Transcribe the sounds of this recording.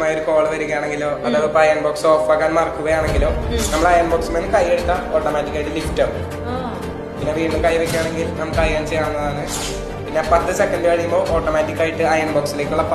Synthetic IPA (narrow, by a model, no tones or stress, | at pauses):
maːjoɾuko̞ːɭɨʋɐɾuɣɐjaːɳeŋɡiloːɐðɐpːɐjɐnboːkso̞ːfʋɐɣaːnmɐrkːuɣɐjaːɳe̞ŋɡilo̞ːnɐmːɐɭɐjɐmboːksumenːɨkɐjːeɽut̪ːɐo̞ːʈːomaːtːikʲːaːjiʈːɨlifʈɐr | pinːe̞ʋiːɳɖumkɐjʋɐkʲːɐjaːɳe̞ŋɡilnɐmɐkːɐjkɐːnt͡ɕejaːɳunːɐðaːnɨ | pinːe̞pɐt̪ːɨsekːɐndɨɐɻijːumbo̞ːʔoːʈːomaːtːikʲːaːjiʈːɨɐjɐmboːksile̞ːkʲːuɭːɐp